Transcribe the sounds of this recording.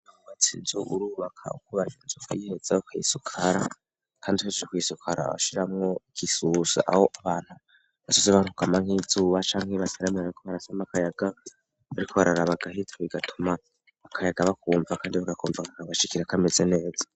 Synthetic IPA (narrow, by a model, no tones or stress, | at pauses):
akuwat͡sinzuʔuɾuːβakʰa̰ukuβajinzukajihed͡zaokʰajisukʰaɾa | kʰaːndihezd͡ʒokuisukʰaɾa̰a̰ʃiɾamŋo̞kʰisusa̰ʔa̰ho̞ʔaβaːn̥hu | βazozeβanukamaŋ̥hizuːβat͡ʃaːŋ̥heβasaɾamiaβaɾiko̞βaɾasamakajaɡa | βaɾikʰo̞βaɾaɾaβaɡahitʰoβiɡatʰuma | akʰajaɡaβakuːɱvakaːndiβaɡakuːɱvakakaβaʃikiɾakamezene̞ːz̥ḁ